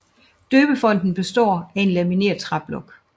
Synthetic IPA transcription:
d̥øːb̥əfɒ̽n̰d̥n̩b̥e̝sd̥ɒ̰ːæe̝nlæmine̝̰ːɐt͡sʰʁɑ̈b̥lɔ̽ɡ̥

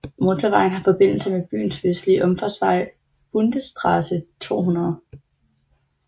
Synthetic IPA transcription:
mo̝t͡sʰɒʋɑ̈ɪ̰n̩ɦɑ̈fɒ̽b̥e̝n̰l̩səmeb̥y̰ːnsʋesə̥liʔɒ̽mfɒsʋɑ̈ɪ̰ | b̥und̥əsd̥ʰʁɑsət͡sʰo̝̰ːɦunɐðˠ

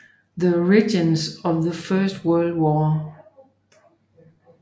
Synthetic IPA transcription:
ðəɹɪd͡ʒɪ̃nzʌvðəfɜ˞st̚wɜ˞lˠd̚wɔ

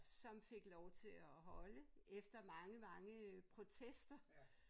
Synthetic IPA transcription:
sɒ̽mfe̝ɡ̥lɒʊt͡sʰe̝ɒɦɒ̽ləefd̥ɐmɑ̈ŋəmɑ̈ŋəpʰʁo̝t͡sʰesd̥ɐ

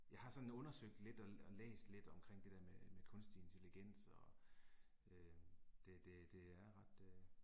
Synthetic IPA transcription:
jɑ̈ɪhɑ̈sɒ̽n̩ɔ̽nɐsøɡ̥̚d̥le̝d̥ɒ̽ɒ̽lḛːsd̥le̝d̥ɒ̽mkʰʁeŋ̰d̥e̝d̥eɐmemekʰɔ̽nsd̥ie̝nt͡sʰeliɡ̥en̰sɒ̽ | ød̥e̝d̥e̝d̥e̝æɐʁɑ̈d̥

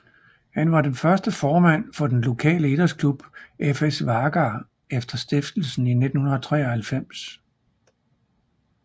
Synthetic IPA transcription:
hænʋɑ̈d̥enfɶɐsd̥əfɒːmæn̰fɒ̽d̥enlo̝kʰɛ̰ːləe̝d̥ɐskʰlub̥ʔefesʋɑ̈ɡ̥ɑː | efd̥ɐsd̥efd̥l̩sn̩ine̝d̥n̩hunɐðt͡sʰʁɛ̰ːɒhælfem̰s

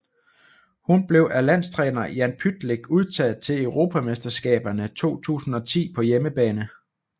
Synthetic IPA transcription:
hunb̥le̝ʊʔælæn̰st͡sʰʁɛːnɐjænpʰyd̥leɡ̥uð̞ˠt͡sʰɛð̩ˠt͡sʰe̝ləʊʁo̝pʰæmesd̥ɐsɡ̥ɛ̰ːb̥ɐnət͡sʰo̝̰ːt͡sʰṵːsn̩ɒ̽t͡sʰḭːpʰɒ̽jeməb̥ɛːnə

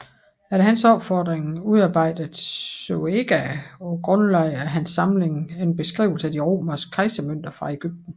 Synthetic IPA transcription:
æɐɾehɦænsɒ̽b̥fɒːd̥ʁeŋuðˠɑ̈ːb̥ɑ̈ɪ̰d̥əð̩ˠsoeɡ̥æɒɡ̥ʁɔ̽nlɑɪ̰æɦænsːɑ̈mle̝ŋenb̥e̝sɡ̥ʁḭʊl̩səæd̥iʁo̝̰ːmɐskʰɑ̈ɪsəmøn̰d̥ɐfʁɑ̈e̝ɡ̥yb̥̚d̥n̩

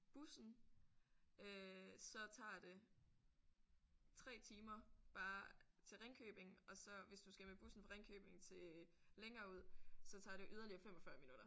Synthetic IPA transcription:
b̥usn̩ | øsɒ̽t͡sʰɑ̰̈ːd̥e̝ | t͡sʰʁɛ̰ːt͡sʰiːmɐb̥ɑ̈ːt͡sʰe̝lʁeŋkʰø̰ːb̥e̝ŋɒ̽sɒ̽ʋe̝sd̥usɡ̥æmeb̥usn̩fɒʁeŋkʰø̰ːb̥e̝ŋt͡sʰe̝leŋɐːuð̰ˠsɒ̽t͡sʰɑ̈ːɾ̥e̝ʔyð̞ˠɐliɐfem̰ɒ̽fɶɐminuɾ̥ɐ

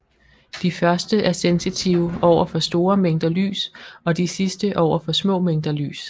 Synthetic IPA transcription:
d̥ifɶɐsd̥əʔæɐsensit͡sʰiʊɒʊ̰ɐfɒ̽sd̥o̝ːɐmeŋ̰d̥ɐly̰ːsɒ̽d̥isisd̥əʔɒʊ̰ɐfɒ̽smɔ̰̽ːmeŋ̰d̥ɐly̰ːs

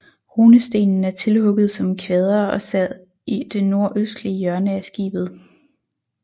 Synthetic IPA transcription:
ho̝ːnəsd̥e̝̰ːnn̩æɐt͡sʰe̝lhɔ̽ɡ̥ð̞̩ˠsɒ̽mkʰʋeːð̞ˠɐɒ̽sæð̰ˠ | id̥e̝no̝ɐ̰ʔøsd̥liəjɶɐnəæsɡ̥ḭːb̥ð̩ˠ

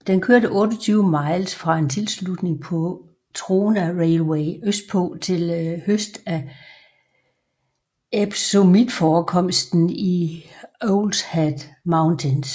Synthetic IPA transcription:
d̥enkʰøɐɾəʔɔ̽ːd̥ɐt͡sʰyːʊəmɑ̈ɪlsfʁɑ̈e̝nt͡sʰe̝lslud̥ne̝ŋpʰɒ̽ | t͡sʰʁoːnæʁeɪlweɪøsd̥̚pʰɔːt͡sʰe̝lhøsd̥æ | eb̥somid̥fɒːkʰɒ̽m̰sd̥n̩i | oʊld̥hæd̥mäʊnt͡sʰens

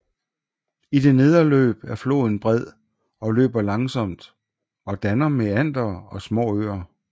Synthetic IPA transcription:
id̥e̝ne̝ð̞ˠɐlø̰ːb̥æɐflo̝̰ːðˠn̩b̥ʁɛð̞̰ˠ | ɒ̽lø̰ːb̥ɐlɑ̈ŋsɒ̽m̰d̥ | ɒ̽d̥ænɐmeæn̰d̥ɐɒ̽smɔ̰ːø̰ːɐ

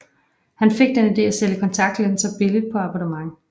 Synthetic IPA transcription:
hænfe̝ɡ̥̚d̥enid̥e̝̰ːæseləkʰɒ̽nt͡sʰɑ̈ɡ̥̚d̥len̩sɐb̥e̝lid̥̚pʰɒ̽ɑ̈b̥ɒdəmɑ̈ŋ

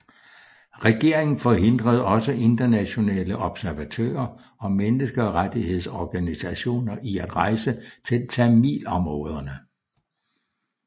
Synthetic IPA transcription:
ʁɛɡ̥e̝ɐ̰e̝ŋn̩fɒ̽ɦe̝n̰d̥ʁɐð̞̩ˠɒ̽səʔe̝nd̥ɐnæɕo̝nɛ̰ːləʔɒ̽b̥sæɐʋæt͡sʰø̰ːɐ | ɒ̽menəsɡ̥ɐɒʁad̥ihe̝ð̞ˠsɒɡ̥ænisæɕo̝̰ːnɐʔiæd̥ʁɑ̈ɪsət͡sʰe̝lt͡sʰæmḭːlɒ̽mʁɔ̽ːð̞ˠɐnə

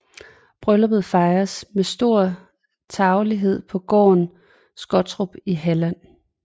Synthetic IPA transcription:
b̥ʁœlɒb̥ð̩ˠfɑ̈ɪɐsmesd̥o̝ɐ̰ | t͡sʰɑ̈ʊliɦe̝ð̞̰ˠpʰɒ̽ɡ̥ɒ̰ːn | sɡ̥ɒ̽d̥t͡sʰʁub̥iɦælæn̰

